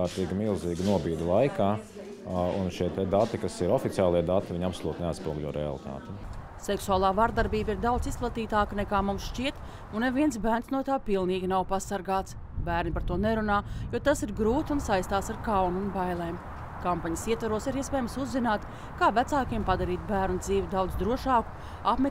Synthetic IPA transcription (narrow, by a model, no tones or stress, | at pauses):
aːɾt̪iːɡmilˠziːɡnuɔbiːd̪lˠajkaː | ṵnʃiɛt̪ɛd̪at̪ːikasiɾɔfit̪siaːlˠiɛd̪at̪iʋʲiɲapsolˠuːt̪nɛat̪spuɔɡlʲɔɾʔɛ̰a̰lˠit̪a̰ːt̪ɛ | sɛksuaːlˠaːvaɾd̪aɾbiːbiɾd̪awt̪sisplˠat̪iːt̪aːknɛkaːmumsʃt͡ʃiɛt̪ | uneviɛns̬bæːɾnsnuɔt̪aːpilˠniːɡʲinawpasaɾɡaːt̪s | bæːɾnipaɾt̪uɔnɛɾunaːjuɔt̪asiɾɡɾuːt̪unsajst̪aːsaɾkawnunbajlˠeːm | kampaɲɐsiɛt̪vaɾuɔsiɾiɛspɛːjmsuzːinaːt̪ | kaːvæt̪saːkiɛmpad̪aɾiːt̪̚bæːɾnud̪ziːvid̪awd̪zd̪ɾuɔʃaːku̥ | apmɛ